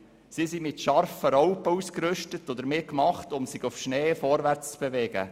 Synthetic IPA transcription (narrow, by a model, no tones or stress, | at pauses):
sisimɪtʃɑɾfəɾɔwpəuːskɾʏʃtətɔd̪əɾmɪkmɑχtʊmsɪɡufʃneːfɔɾʋæɾt͡st͡sb̥eʋɛːɡ̥ə̰